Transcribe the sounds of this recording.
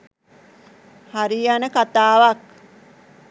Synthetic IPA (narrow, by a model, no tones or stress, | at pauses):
haɾijanəkat̪aːʋak